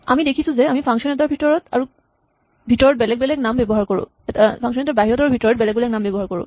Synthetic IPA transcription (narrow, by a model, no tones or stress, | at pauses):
amidekʰisũzeamipʰaŋsɔnɛtaɹbʱitɔɹɔta̰ɹu | bʱitɔɹɔt̚bɛlɛkbɛlɛknambɛbɔɦaɹkoɹṵ̃ | pʰaŋʃ̬ɔnɛtaɹbaɦiɹɔtaɹubʱitɔɹɔt̚bɛlɛkbɛlɛknambɛbɔɦaɹkoɹṵ